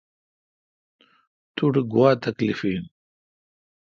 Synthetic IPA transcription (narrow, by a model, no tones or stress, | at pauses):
t̪uɽɡwaːt̪ɐklifiːn